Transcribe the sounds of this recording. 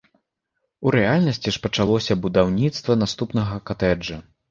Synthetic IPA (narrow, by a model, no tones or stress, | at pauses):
uɾɛalʲnɐsʲt͡sʲiʂpɐt͡ʂalˠɔsʲɐbud̪awnʲit̪st̪vɐnast̪upnɐɣɐkat̪ɛd͡ʐɐ